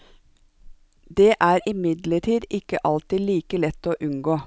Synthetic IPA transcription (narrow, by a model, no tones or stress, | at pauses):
d̪eːʔæːɾɪmɪd̪ləʈʰiːd̪ɪkəʔɑlt̪iːliːkəlɛt̪ːoːʔʉŋɡoː